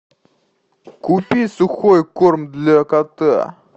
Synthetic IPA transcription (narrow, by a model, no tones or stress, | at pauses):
kupʲisʊxojkormd̪lʲakat̪ɨ̰